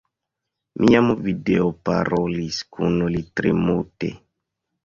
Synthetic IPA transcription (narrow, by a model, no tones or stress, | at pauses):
mʔiamuvideopa̰ɾoliskʰunolitɾemutḛ